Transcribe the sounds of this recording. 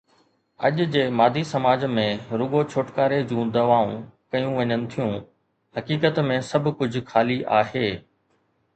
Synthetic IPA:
ɐ̰ʄʊd͡ʑeːmaːd̪ʱisɐmaːd͡ʑmẽɾʊɡot͡ɕʰoːʈkaːɾed͡ʑũːd̪ɐʋaːũkɐjũʋɐɲənɪ̆t̪ʰijũ | hɐkiːkət̪mẽsɐbʱkʊd͡ʑʱʊ̆xʰaːliʔaːɦeː

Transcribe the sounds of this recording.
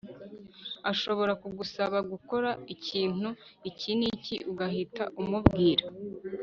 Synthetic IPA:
aʃo̞βo̞ɾakuɡusaβaɡuko̞ɾaiciːn̥uiciniciʔuɡahitaʔumubɡiːɾa

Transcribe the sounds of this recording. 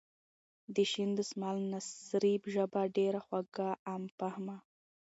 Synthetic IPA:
d̪əʃind̪əsmɑlnasɾibʒəbaɖeɾaxwaɡaːmpahma

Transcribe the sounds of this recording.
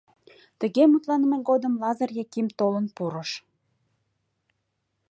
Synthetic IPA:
t̪ə̆ɣemut̪lɑnəmeɣod̪əmlɑzərjɑkimt̪olənpuɾəʃ

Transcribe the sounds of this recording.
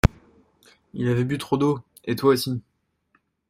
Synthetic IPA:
ilavɛbyt̪χod̪o | et̪waosi

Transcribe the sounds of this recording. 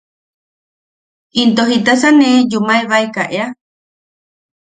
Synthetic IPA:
int̪oɦit̪asanẽd͡ʒumaeβaekaʔea

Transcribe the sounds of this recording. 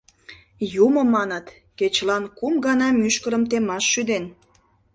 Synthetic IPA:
jumə̆mɑnət̪ | ket͡ɕlɑnkumɡɑnɑmyʃkəɾəmt̪emɑʃːyd̪en

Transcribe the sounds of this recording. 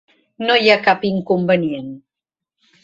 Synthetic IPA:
nojakapiŋkumbənien

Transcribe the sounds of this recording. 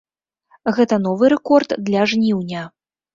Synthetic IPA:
ɣɛt̪ɐn̪ɔvɨɾɛkɔrd̪d̪lʲɐʐnʲiwnʲɐ

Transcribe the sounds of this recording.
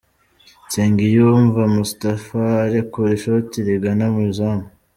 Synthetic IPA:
t͡seːŋɡijuːɱvamustafaɾekuɾiʃautiɾeɡanamuzamu

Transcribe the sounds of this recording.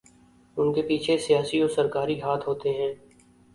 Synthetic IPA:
ʊnkepiːt͡ʃʰesijaːsioːɾsəɾkaːɾiɦaːt̪ʰɦoːt̪eɦɛ̃ː

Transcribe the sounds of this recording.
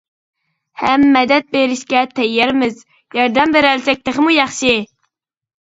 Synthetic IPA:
hɛmːɛd̪ɛt̪̚beɾɪʃkʲɛt̪ʰɛjːɛɾmɪz | jɑɾd̪ɛmbeɾælsɛk̚ʲt̪əχəmujɑχʃi

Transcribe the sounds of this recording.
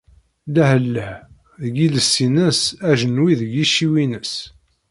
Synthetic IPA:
læhəlːəh | ɡiləsːinəsæʒənwiðʝiʃːiwinəs

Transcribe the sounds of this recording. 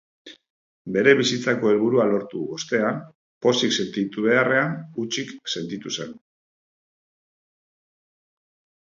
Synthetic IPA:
be̞ɾe̞βisit͡sako̞e̞lβ̞uɾualo̞ɾt̪uβo̞st̪e̞a | po̞sikse̞nt̪it̪uβe̞are̞anut͡ʃikse̞nt̪it̪use̞n

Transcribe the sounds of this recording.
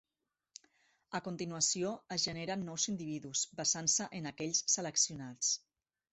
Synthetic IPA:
əkunt̪inuəsioəzʒəneɾənːɔwzind̪iβ̞iðusbazansəʔənakɛʎssələksiunat͡s

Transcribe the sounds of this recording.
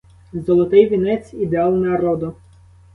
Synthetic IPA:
zɔlˠɔt̪ɪjʋʲinɛtt͡s̪ʲid̪eɑlˠnɐɾɔd̪ʊ

